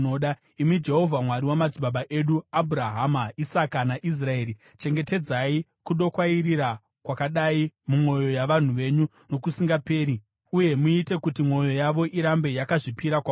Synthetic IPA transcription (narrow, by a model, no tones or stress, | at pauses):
oɗa | imid͡ʒe̞ɦo̞vʱamwaɾiwamad͡ziɓaɓaʔe̞ɗuabʱuɾaɦamaisakanaʔis̬rae̞ːɾi | t͡ʃe̞ŋɡe̞te̞d͡zaikuɗo̞kwaiɾiɾa | kwakaɗaimumwo̞jo̞jaʋan̤uʋe̞ɲu | no̞kusiŋɡape̞ːɾi | uje̞muite̞kutimwo̞jo̞jaʋo̞ʔiɾambe̞jakaʐipiɾakwa